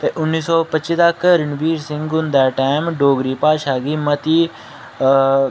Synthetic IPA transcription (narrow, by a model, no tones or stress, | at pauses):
t̪eʔʊnːiːsɔːpɐt͡ʃːt͡ʃːid̪akːɾɪnbiːɾsɪ̃ŋɡɔ̃nd̪ɛʈaɪmɖoːɡɾiːpaːʃaːɡimɐt̪i